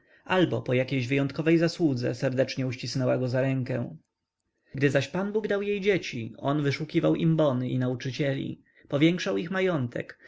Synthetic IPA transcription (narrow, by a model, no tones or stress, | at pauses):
ʔalbɔpɔjakʲejʑvɘjɔnt̪̚kɔvɛjzaswud̪zɛ̰sɛɾd̪ɛt͡ʂɲɛuɕt͡ɕisnɛwaɡɔzaɾɛŋkɛ̰̃ | ɡd̪ɘzaɕpanbuɡd̪awjejd͡ʑet͡ɕiɔ̰nvɘʂukʲivawʔimbɔnɘḭnaut͡ʂɘt͡ɕɛlʲḭ | pɔvʲjɛŋkʂawixmajɔnt̪ʰɛ̰k